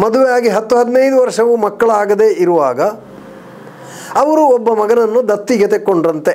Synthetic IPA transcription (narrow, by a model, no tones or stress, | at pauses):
mɐd̪uʋejaːɡiɦɐt̪ːuɦɐd̪nɐjd̪uʋɐɾʂɐʋumɐkːɐɭaːɡɐd̪e̞ʔiɾuʋaːɡɐ | ʋɐɾuɔbːɐmɐɡɐnɐnːud̪ɐt̪ːiːɡɐt̪ekoɳɖɾɐnt̪e